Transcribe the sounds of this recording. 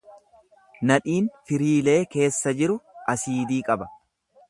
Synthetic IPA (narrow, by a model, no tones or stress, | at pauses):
nɐᶑiːnfɪɾiːle̞ːke̞ːsːɐd͡ʒɪɾʊʔɐsiːd̪iːkʼɐbɐ